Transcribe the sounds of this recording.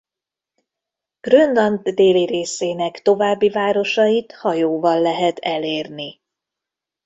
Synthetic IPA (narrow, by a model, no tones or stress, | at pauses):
ɡ̥rønd̪ɒnt̪d̪eːliɾeːseːnɛkt̪o̞vaːbːivaːɾo̞ʃɒjit̪hɒjoːvɒlːɛɦɛt̪ʰɛleːrni